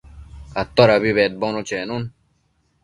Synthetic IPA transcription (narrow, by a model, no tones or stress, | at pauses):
kɐt̪ːoɾɐβiβeːt̪̚bonot͡ɕeːnun